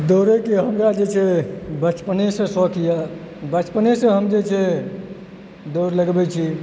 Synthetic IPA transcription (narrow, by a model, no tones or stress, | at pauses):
d̪oɾekeɦəmɾad͡ʒet͡ʃʰɛbət͡ʃpənesə̃sɔkija | bət͡ʃpənesə̃ɦəmd͡ʒet͡ʃʰɛ | d̪oɾləɡbɛt͡ʃʰi